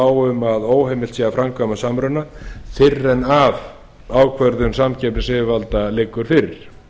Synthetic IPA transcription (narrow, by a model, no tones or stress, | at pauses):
aːwʏmaðoːwɦejmɪlt̪siːɣafɾamkʰvamasamɾʏnaθɪrːɛnav | aːwkʰvœɾðʏmsamcʰɛplɪsɪvɪvalt̪alɪkːʏɾ̥fɪɾɪɾ̥